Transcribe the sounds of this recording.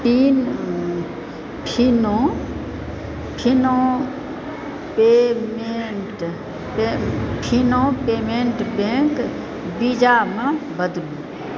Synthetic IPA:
pin | pʰinõ | pʰinõ | pemeʈ | epʰinõːpeːmẽːɳʈbẽk | bid͡ʒamãbəd̪lũ

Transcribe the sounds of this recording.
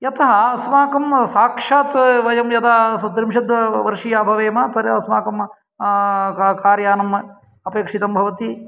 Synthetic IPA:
jɐt̪ɐɦɐɐsmaːkɐmsaːkʂaːt̪ʋɐjɐmjɐd̪aːd̪ɾimʃɐd̪ʋɐʋɐɾʂijaːbʱɐʋeːmaːt̪ɐɾɐɐsmaːkɐm | kaːɾjaːnɐm | ɐpeːkʂit̪ɐmbʱɐʋɐt̪i

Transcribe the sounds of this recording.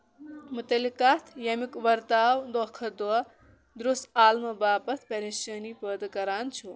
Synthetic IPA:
mut̪ɐlikat̪ʰjɐmikʋɐɾt̪aːwd̪ɔkʰɐd̪wɐ | d̪ɾusaːlmɐbaːpɐt̪ʰpɐɾeʃɐːnipəd̪kɐɾaːnt͡ʃʰu

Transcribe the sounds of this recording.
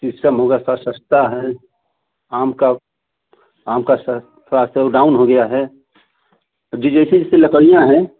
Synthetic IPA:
sɪsʈəmɦoɡəjasasəst̪aɦɛ | aːmka | aːmkas | pʰɾast̪ɔɾɖaːʊnɦoɡɐjaɦɛ | d͡ʒid͡ʒɛɪsed͡ʒɪseləkəɽijãɦɛ̃

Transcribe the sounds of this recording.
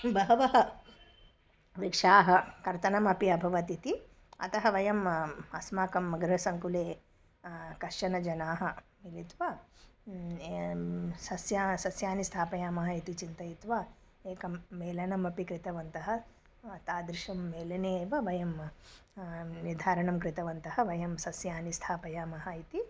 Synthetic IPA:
bɐɦɐʋɐɦɐ | ʋikʂaːɦɐkɐɾt̪ɐnɐmɐpiɐbʱɐʋɐt̪it̪i | ɐ̰t̪ɐɦɐʋɐjɐmɐsmaːkɐmːɐɡɐɾɐsɐŋkuleː | kɐʂʃɐnɐd͡ʒɐnaːɦɐmilit̪ʋa | sɐsjasɐsjaːnist̪ʰaːpɐjaːmɐɦɐit̪it͡ʃint̪ɐjit̪ʋa | eːkɐmːeːlɐnɐmɐpikɾit̪ɐʋɐnt̪ɐɦɐ | t̪aːd̪ɾiʃɐmːeːlɐneːʋɐʋɐjɐm | nid̪ʱaːɾɐɳɐmkɾɪt̪ɐʋɐnt̪ɐɦɐʋɐjɐmsɐsjaːnist̪ʰaːpɐjaːmɐɦɐit̪i

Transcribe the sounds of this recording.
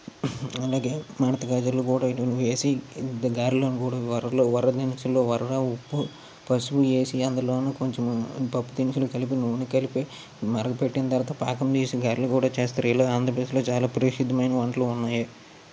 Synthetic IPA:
ɐlaːɡe̞ːmaːnɐt̪ɐɡaːd͡ʒɐloːkuːɽaːiɐnuʋeːsiɡaːɾiloːnukuːɽaːʋɐɾɐloːʋɐɾɐd̪inisulːoːʋɐɾɐɾaːupːu | pɐsput͡ʃe̞ːsiɐnd̪ɐloːnukoɲt͡ʃempɐpːud̪inisulukɐlip̬inuʋnikɐlipe | mɐɾɐɡɐpeʈːinɐt̪ɐɾt̪ɐpaːkɐmd̪iːsiɡaːɾilokuːɽaːt͡ʃeːst̪ɐɾiloːaːnd̪ɾɐp̬ɾd̪eslo̞ːt͡ʃaːlaːpɐɾiʂud̪ʱːɐmɐjnɐʋɐɳʈɐlounːaːjɐ

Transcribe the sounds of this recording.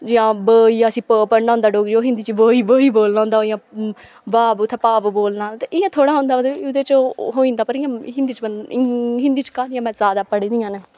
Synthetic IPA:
d͡ʒɪjãːbəːijãːəsĩːpəːpəɳɖãːnd̪aːɖoːɡɾiːoːɦɪ̃nd̪iːt͡ʃibəːiːbəːiːboːlnãːõːnd̪aːjãː | baːbt̪ʰeːpaːbboːlnaːt̪eʔɪjãːt̪ʰoːɽaːɦõːnd̪aːmət̪iʊd̪eːt͡ʃːɦoːĩːnd̪aːpəɾɪjãːɦɪ̃nd̪iːt͡ʃənɦɪ̃nd̪iːt͡ʃkaːnɪjãːmɛ̃ːzaːd̪aːpəɽĩːd̪ɪjãːneː

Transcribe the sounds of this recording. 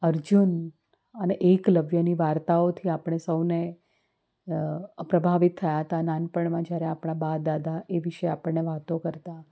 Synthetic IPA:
əɾd͡ʒun | əneʔekləʋjəniʋaɾt̪aot̪ʰiapəɽ̃esəwne | pɾəbʱaʋit̪ʰːəjaɦət̪anãnpəɳmãd͡ʒjaɾeapɳ̃ãbad̪ad̪ʱaʔeʋiʃeapəɳːeʋat̪okəɾt̪a

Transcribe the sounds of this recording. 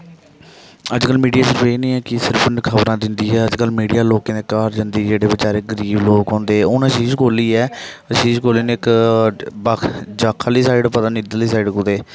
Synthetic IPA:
əd͡ʒkəlmiːɖijaːsɪɾpeːnĩːɛːkɪsɪɾpʰnəkʰəbɾãːd̪ɪnd̪iːɛːəd͡ʒkəlmiːɖijaːloːkẽːd̪eːkaːɾd͡ʒənd̪iːd͡ʒeːɽeːbɪt͡ʃaːɾeːɡəɾiːbloːkɦõːnd̪eːoːnəʃiːzkʰoːliːɛː | əʃiːzkʰoːliːneːɪk | bakʰd͡ʒaːkʰaliːsaːɪɖpət̪aːnid̪əliːs̬aːɪɖkod̪eː

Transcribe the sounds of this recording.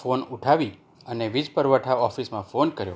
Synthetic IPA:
fonuʈʰaʋi | əneʋid͡ʒpəɾʋəʈʰaɔfismãfonkəɾjo̰

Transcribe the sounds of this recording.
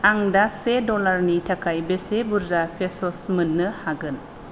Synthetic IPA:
aŋdasedɔlaɾnitʰakʰajbesebuɾzapʰesɔsmɯnːɯhaɡɯn

